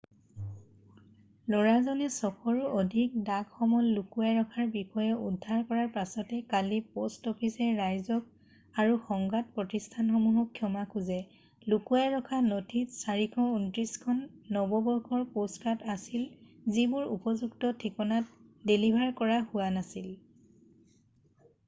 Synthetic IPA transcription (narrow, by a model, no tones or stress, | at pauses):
lɔɹaɹzɔnɛsɔkɔɹɔʔodʱik̚daɡxɔmɔlːukuaɹɔkʰaɹbixɔjɔudʱːaɹkɔɹaɹpasɔtɛkalipostɔpʰisɛɹajzɔk̚ | aɹuxɔŋɡat̚pɹɔtistʰanxɔmuɦɔkʰːjɔmakuzɛ | lukuaɹɔkʰanɔtʰitsaɹikʰɔuntɹiskʰɔnːɔbɔbɔɹkʰɔɹposkatasilzibʊɹṵpɔzuɡtɔtʰikɔnat̚delibʱaɹkɔɹahʊwanasil